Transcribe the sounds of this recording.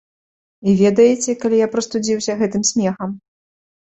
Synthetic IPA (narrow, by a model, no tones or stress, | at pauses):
ivʲɛd̪ɐjɛt͡sʲɛkɐlʲijapɾɐst̪ud͡zʲiwsʲɐɣɛt̪ɨmsʲmʲɛxɐm